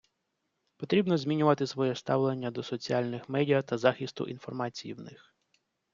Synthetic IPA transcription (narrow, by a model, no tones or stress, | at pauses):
pɔt̪ɾʲibnɔzʲmʲinʲʊʋɐt̪ɪsʋɔjɛst̪ɑwlˠenʲːɐd̪ɔsɔt͡sʲiɑlʲnɪxmɛdʲijɐt̪ɐzɑxɪst̪ʊ̰ʔḭnfɔrmɑt͡sʲijḭwnɪx